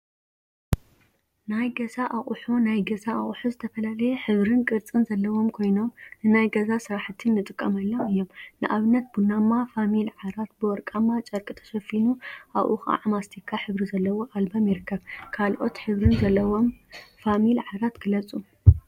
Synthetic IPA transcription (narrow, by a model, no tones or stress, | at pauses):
najɡɐzaʔaχʼħunajɡɐzaaχʼħuzɨt̪ʰɐfɐlalɐjeħɨβɾɨnkʼɨɾt͡sʼɨnzɐlːɐwo̞mkʰo̞jno̞mnɨnajɡɐzasɨɾaħt̪ʰɨnːɨt̪ʼɨkʼːɐmɐlːɐmɨjːo̞mnɨʔaβɨnːɐt̪̚bunamːafamilʕaɾat̪̚bɨwɔɾkʼamːat͡ʃʼɐɾkʼɨt̪ʰɐ̥ʃɐfinuʔa̰βʔṵxa̰ʕamast̪ʰikʰːaħɨβɾizɐlːɐwoʔalbamjiɾɨkːɐβkʰalʔo̞̰t̪ħɨβɾɨnzɐlːɐwo̞mfamilʕaɾat̪ɡ̥ɨlɐt͡sʼu